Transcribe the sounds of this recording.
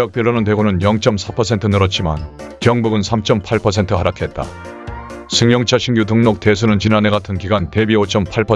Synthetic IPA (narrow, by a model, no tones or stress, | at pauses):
jʌk̚p͈iɾːonɯnt̬we̞ɡonɯnjʌŋt͡ɕ͈ʌmsʰapʰʌsʰe̞ntʰɯnɯɾʌt̚t͡ɕ͈ima̰nkjʌŋbuɡɯnsʰamt͡ɕ͈ʌmpʰaɭpʰʌs̬ʰe̞ntʰɯɦaɾakʰe̞t̚t͈a̰ | sʰɯŋjʌŋt͡ɕʰaɕʰiŋjutʰɯŋnok̚t͈e̞s̬ʰunɯnt͡ɕinane̞ɡatʰɯnkiɡante̞biot͡ɕ͈ʌmpʰaɭpʰʌ